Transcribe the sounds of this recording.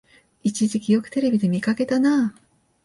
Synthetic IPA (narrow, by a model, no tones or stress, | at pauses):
it͡ɕiʑikʲijo̞kɯ̟̥t̪e̞ɾe̞bʲid̪e̞mʲikake̞t̪ana